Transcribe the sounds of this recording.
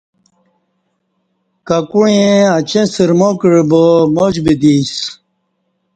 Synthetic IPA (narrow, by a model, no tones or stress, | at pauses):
kakuɻẽɐt͡ɕẽsiɾmokiɻbomod͡ʑbid̪is